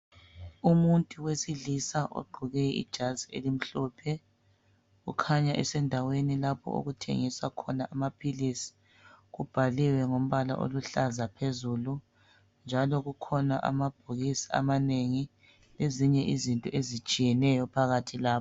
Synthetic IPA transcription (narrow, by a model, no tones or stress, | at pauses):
umuntʼuwesiɮisaʔo̰ɡ͡ǃʱuɣɛḭd̥ʒ̥ʱaziḛlim̩ɬɔːpʰɛ | ɣṵkʰaɲaʔɛ̰sɛndʱawenilapʰɔ̰ʔo̰ɣutʰḛŋisakʰɔnaʔamapʰilisi̥ | ɣub̥ʱaliwɛŋom̩βala̰ʔo̰luɬazapʰezulu | nd͡ʒʱalɔɣukʰɔnaʔa̰mab̥ʱuɣisi̥a̰maneŋi | leziɲɛʔizintʼɔʔezit͡ʃʼijɛnɛjɔpʰaɣatʰilaːpɔ